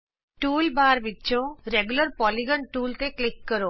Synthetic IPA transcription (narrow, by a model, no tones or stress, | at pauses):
ʈuːlbaːɾʋit̪ːt͡ʃʰõɾeɡjuləɾpɔliɡəɳʈuːlt̪eklɪkːəɾo